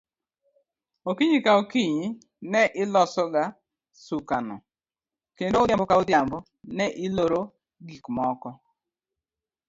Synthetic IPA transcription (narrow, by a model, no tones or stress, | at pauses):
okiɲikaokiɲi | nɛʔɪlɔsɔɡa | sukanɔ̰ | kendoʊdjambɔkaʊdjambɔ | nɛʔɪloɾo | ɡikmɔkɔ